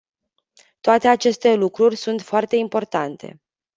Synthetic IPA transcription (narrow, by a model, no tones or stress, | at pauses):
t̪oat̪e̞at͡ʃe̞st̪e̞lukɾurʲsunt̪foart̪e̞impo̞rt̪ant̪ʰe̞̰